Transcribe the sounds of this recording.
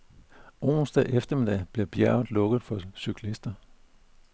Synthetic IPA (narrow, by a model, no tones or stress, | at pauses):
ʔo̰ːnsd̥ɛʔefd̥ɐmid̥ɛ̰b̥le̝b̥jæɐ̰ð̩ˠlɔ̽ɡ̥ð̩ˠfɒ̽sykʰlisd̥ɐ